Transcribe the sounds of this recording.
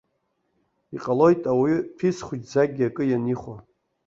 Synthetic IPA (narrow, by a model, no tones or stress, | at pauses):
iqʼalo̞jtʼawitʰisχʷʊd͡ʒzaɡʲiakʼɨjaniχʷa